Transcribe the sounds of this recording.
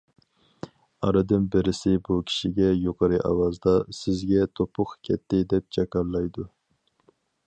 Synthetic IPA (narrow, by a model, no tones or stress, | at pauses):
ɑɾɨd̪ɨnbɪɾɪsɪbukʲʰi̥ʃiɡʲɛjoqʰəɾɨʔɑ̰wɑzd̪ɑsɪzɡʲɛt̪ʰopʰʊχkʲʰɛt̪ʰːɪd̪ɛp̚d͡ʒʰɛkɑɾlˠɑjd̪u